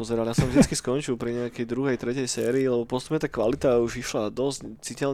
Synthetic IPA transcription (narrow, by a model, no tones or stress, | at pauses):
ɔzɛɾaljasɔ̃mvʒd̪it͡skiskɔnt͡ʃilˠpɾiɲɛakɛjd̪ɾuɦɛjt̪ɾɛcɛjsɛːɾiːlɛbɔpɔt͡st̪upɲɛt̪aːkʋalit̪auʒiʃlad̪ɔsct͡sicɛl